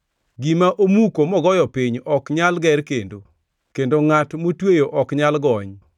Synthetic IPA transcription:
ɡimaʔomukomɔɡɔjɔpɪɲɔkɲalɡɛɾkendo | kendoŋatmotwejoʔɔkɲalɡɔɲ

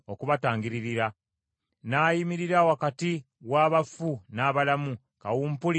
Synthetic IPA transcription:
okuβataːŋɡiɾiɾiɾa | naːjimiɾiɾawakati | waːβafunaːβalamu | kawuːmpuli

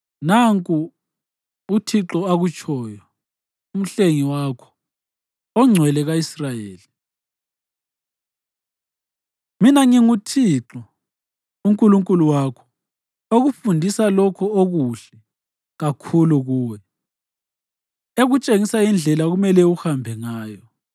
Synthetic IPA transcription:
naŋkʼu | utʰiǁɔaɣut͡ʃʼʰɔjɔ | um̩ɬeŋiwaːkʰɔ̥ | ɔŋ͡ǀʱwɛlɛɣaisrajeːli | minaŋiŋutʰiǁɔ | uŋkʼuluŋkʼuluwakʰɔ̥ | oɣufundʱisalɔkʰɔoɣuɬɛ | ɣakʰuluɣuːwɛ | eɣut͡ʃʼeŋisaind͡ɮʱɛlaɣumɛlɛuhambʱɛŋaːjɔ

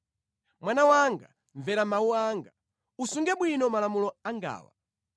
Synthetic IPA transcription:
mwanawaŋɡa̰ | ɱvɛɾamauaːŋɡa | usuŋɡɛɓwinɔmalamulɔaŋɡa̰ːwa

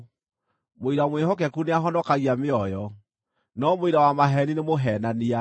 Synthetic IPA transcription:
moiɾamwehɔk̬ɛkuneaɦɔnɔkaɣiameɔjɔ | nɔmoiɾawamaɦɛninemoɦɛnania

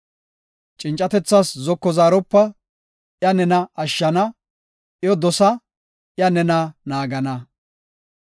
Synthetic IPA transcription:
t͡ʃʼɪnt͡ʃʼɐt̪ɛt͡sːaszɔkːɔzaːɾɔpːɐ | jɐnɛnɐɐʃːɐnɐ | ʔjɔd̪ɔsɐ | ʔɪjɐnɛnɐnaːɡɐnɐ

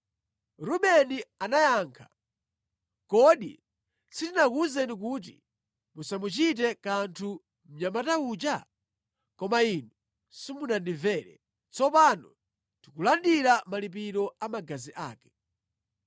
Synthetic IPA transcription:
ɾuɓɛnianajaːŋkʰḁ̰ | kɔɗḭ | sitinakuzɛnik̬ut̬ḭ | musamut͡ʃit̬ɛkantʰu | m̩ɲamataut͡ʃa | kɔmainu | simunandivɛːɾɛ̰ | t͡sɔpanɔ̰ | ntikulandiɾamalip̬iɾɔamaɡaziʔaːkɛ̥

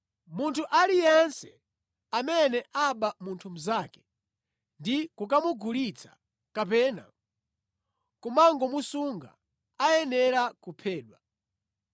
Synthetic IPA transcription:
muntʰuʔalijɛnsɛ | amɛnɛʔaɓamuntʰum̩zaːkɛ̥ | ndikukamuɡʱulit͡sʰḁ̰ | kapɛːna̰ | kumaŋɡɔmusuŋɡa̰ | ajɛnɛɾakupʰɛːɗwa

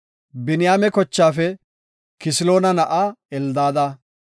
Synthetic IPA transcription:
bɪnɪjaːmɛkɔt͡ʃːaːfɛ | kɪsɪlo̞ːnɐnɐʔaːɛld̪aːd̪aː

